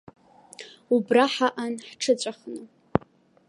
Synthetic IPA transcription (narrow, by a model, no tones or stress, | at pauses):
ubraħaʔanħʈ͡ʂʰɨt͡ɕʷʼaχnɨ